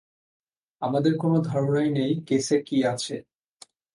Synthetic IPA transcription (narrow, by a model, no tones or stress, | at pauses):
amad̪eɾkonod̪ʱɔɾonajnejkesekiat͡ɕʰe